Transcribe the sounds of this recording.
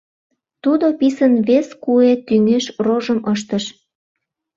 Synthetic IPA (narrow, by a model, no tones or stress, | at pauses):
t̪ud̪opisənβeskuet̪yŋeʃroʒəmʔəʃ̬t̪əʃ